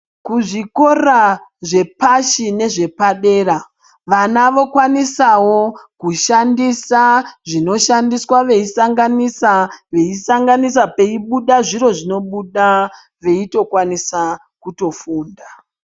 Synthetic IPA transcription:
kuʐiko̞raʐe̞paʃine̞ʐe̞paɗe̞ːɾa | ʋanaʋo̞kwanisawo̞kuʃandisaʐino̞ʃandiswaʋe̞isaŋɡanisaʋe̞isaŋɡanisape̞iɓuɗaʐiɾo̞ʐino̞ɓuɗa | ʋe̞ito̞kwanisa | kuto̞fuːnda

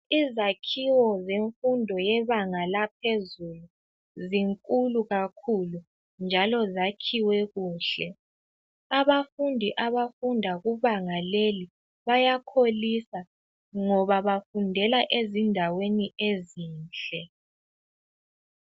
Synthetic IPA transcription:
izakʰiwɔzeɱfundʱɔjɛβaŋalap̚ʰezulu | ziŋkʼuluɣakʰulu | nd͡ʒʱalɔzakʰiwɛɣuːɬɛ | aβafundʱiʔaβafundʱaɣuβaŋaleli | βajakʰolisa | ŋɔβaβafundʱɛlaʔezindʱaweniʔeziːnt͡ɬʼɛ

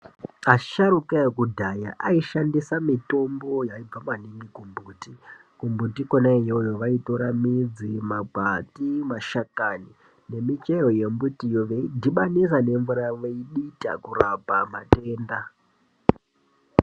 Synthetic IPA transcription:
aʃaɾukaekudʱajaʔaiʃandisamito̞mbo̞jaib͡vamaniŋɡikumbuti | kumbutikonaejojoʋaitoɾamid͡zimabʱatimaʃakani | ne̞mit͡ʃe̞ɾo̞je̞mbutijoʋe̞idʱiɓanis̬ane̞ɱvuɾaʋeiɗita̰kurapamate̞ːnda

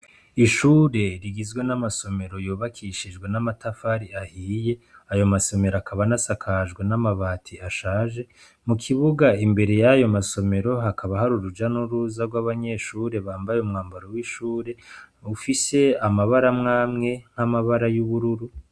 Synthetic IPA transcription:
iʃuːɾe̞ɾiɡizɡwe̞namaso̞me̞ɾo̞juːβakʰiʃid͡ʒɡwe̞namatafaɾiahiːje̞ajo̞maso̞me̞ɾakʰaβanasakʰaʒɡwe̞namaβaːtʰiaʃaːʒe̞ | mukʰiβuɡaimbe̞ɾe̞jajo̞maso̞me̞ɾo̞ɦakaβahaɾuɾud͡ʒanuɾuzaɾɡwaβaɲe̞ʃuːɾe̞βaːmbajeumŋaːmbaɾowiʃuːɾe̞ufise̞amaβaɾamŋaːmŋe̞ŋ̥hamaβaɾajuβuɾuɾu

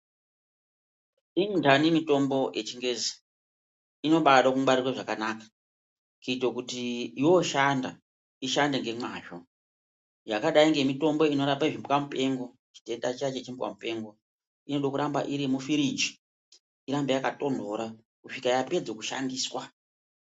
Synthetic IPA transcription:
iŋdanimito̞mbo̞jʔet͡ʃiŋɡe̞ːzi | ino̞ɓaɗakuaɾirwaʐakanakḁ | kiitokutiːwo̞ʃanda̰ | iʃande̞ŋɡe̞mwaːʃo | jakaɗaiŋɡe̞mito̞mbo̞ino̞ɾambaiʐimbkamupe̞ŋɡo̞ | t͡ʃi̥te̞ndat͡ʃat͡ʃet͡ʃimbwa̰mupe̞ŋɡo̞ | ino̞ɗokuɾamba̰ʔiɾimufiɾid͡ʒi̥ | iɾambejakato̞ndo̞ɾa | kuʂikajape̞d͡zokuʃa̰ndiːswa

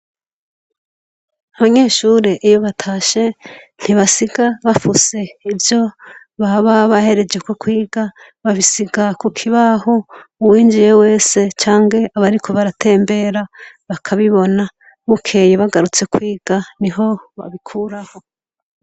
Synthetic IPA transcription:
aβaɲe̞ːʃuːɾeʔijoβatʰaːʃe̞n̥hiβasiɡaβafuse̞ivjo̞ | βaβaβahe̞ɾe̞d͡ʒe̞ko̞kwiːɡa | βaβisiɡakukʰiβahouwiːnd͡ʒije̞we̞ːse̞t͡ʃaːŋɡe̞ʔaβaɾikʰo̞βaɾatʰe̞ːmbe̞ɾaβakʰaβiβo̞na | mukʰe̞jeβaɡaɾut͡se̞kʰwiːɡ̥aniɦo̞βa̰βikʰuɾaho̞

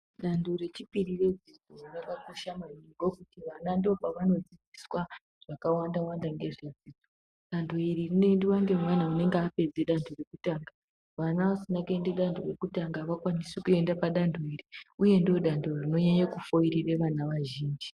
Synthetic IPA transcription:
ɗandore̞t͡ʃipirired͡zid͡zorakakoʃamaniŋɡo̞kutiʋanandio̞paʋano̞d͡zid͡ziswa | ʐ̥akawandawandaŋɡe̞ʐed͡ziːd͡zod͡z | ɗandʰʱoiririnendiwaŋɡe̞mwanaune̞ŋɡape̞d͡zeɗandʰore̞kutaːŋɡa | ʋanaʋasinakue̞ndeɗandʱore̞kutaŋɡaʋakwanisekue̞ndapaɗandʰʱoiriuje̞ndio̞ɗandʱorino̞ɲaɲakufo̞irireʋanaʋaʒiːnd͡ʒi

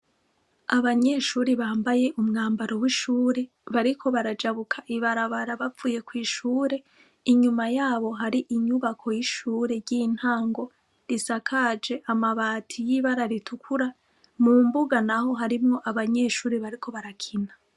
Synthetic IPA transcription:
aβaɲe̞ʃuːɾiβaːmbaje̞ʔumŋaːmbaɾo̞wiʃuːɾe̞ | βaɾikʰo̞βaɾad͡ʒaβukʰaʔiβaɾaβaɾaβavuːje̞kwiːʃuːɾe̞ | iɲumajaːβo̞ɦaɾiʔiɲuβakʰo̞jiʃuːɾe̞ɾɟin̥haːŋɡo̞ | ɾisakʰad͡ʒe̞ʔamaβaːtʰijiβaɾaɾitʰukʰuɾa | mumbuɡanaho̞ɦaɾimŋo̞ʔaβaɲeʃuːɾiβaɾikʰo̞βaɾakʰina

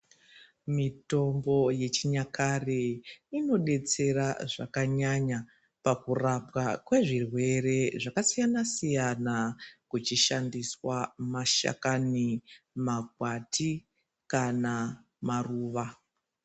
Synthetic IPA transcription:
mito̞mbo̞je̞t͡ʃiɲakʰareino̞ɗe̞t͡se̞ɾaʐakaɲaɲa | pakurap̚wakwe̞ʐirwe̞re̞ʐakasijanasijanakut͡ʃiʃandiswamaʃa̰kani | maɡʱwatʰi | kana | maruːʋa

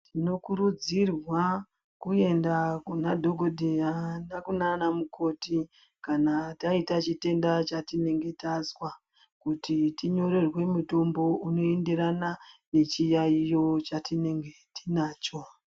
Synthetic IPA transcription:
tʰino̞kuɾud͡zirwa | kue̞ndakunadʱo̞ɡʱo̞dʱejanakunanamuko̞ti | kanataitat͡ʃite̞ndat͡ʃatine̞ŋɡe̞tazwa | kutitiɲo̞ɾe̞rwe̞muto̞mbo̞uno̞e̞ndeɾanane̞t͡ʃijaijo̞t͡ʃatine̞ŋɡetinaːt͡ʃo̞

